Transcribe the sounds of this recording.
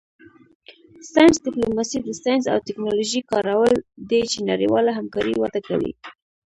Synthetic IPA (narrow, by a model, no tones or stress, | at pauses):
sɑjnsd̪ɪplomɑsid̪əsɑjnsa̰wt̪ɪknoloʒikɑɾawəld̪et͡ʃenaɾḭwɑlaɦamkɑɾiwad̪aka̰wḭ